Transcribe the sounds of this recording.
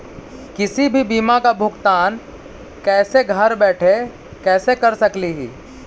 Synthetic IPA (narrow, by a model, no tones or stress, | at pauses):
kɪsibʱibiːmakabʱʊɡt̪aːn | kɛːseɡʱɐɾbɛːʈʰe | kɛːsekɐɾsɐkliɦḭː